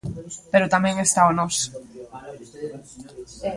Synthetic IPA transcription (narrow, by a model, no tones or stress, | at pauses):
peɾʊt̪amɛ̃ŋest̪aonɔs